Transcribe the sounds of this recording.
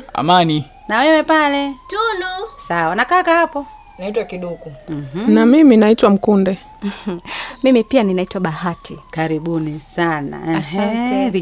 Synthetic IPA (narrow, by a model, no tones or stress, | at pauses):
a̰mani | nawɛwɛpalɛtunusawanakakahapɔ | naitwakiɗukum̩namiminaitwam̩kundɛ | mimipianinaitwaɓahatʰikaɾiɓunisana̰ | vi